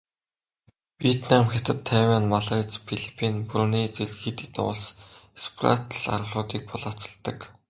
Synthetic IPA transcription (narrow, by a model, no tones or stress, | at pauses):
wiet̪namxʲat̪ə̆t̪ʰːæwʲanmaɮat͡spʰiɮi̥pʰinpruniːt͡serxit̪it̪ʊ̰ɮsespʰra̰t̪ɮa̰ɾə̆ɮʊːt̪iːk̚pʊɮaːt͡sə̥̆ɮt̪ə̆k